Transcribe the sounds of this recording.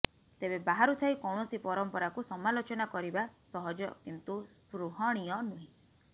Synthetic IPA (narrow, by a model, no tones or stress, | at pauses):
t̪ebebaɦaɾut̪ʰaikɔwɳɔsipɔɾɔmpɔɾakusɔmalot͡ʃɔnakɔɾibasɔɦɔd͡ʒɔkint̪uspɾuɦɔɽ̃iɔnuɦĩ